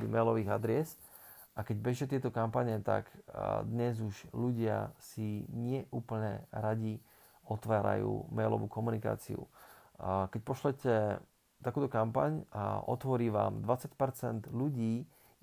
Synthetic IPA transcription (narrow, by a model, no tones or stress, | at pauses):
ḭmɛjlɔʋiːɣad̪ɾɛs | ʔakɛɟbɛʒcɛt̪ɪɛt̪ɔkampaɲɛt̪a̰kd̪ɲɛzuʒluɟɪa̰siɲɪɛʔuːpl̩ɲɛɾaɟi | ɔt̪ʋaːɾa̰jṵːmɛjlɔ̰ʋuːkɔmunika̰ːt͡sḭṵ | kɛc̚pɔʃlɛcɛ | t̪akuːt̪ɔkampaɲaʔɔ̰t̪ʋɔɾiːʋa̰ːmd̪ʋat͡sacpɛɾt͡sɛnd̪ʎuɟiː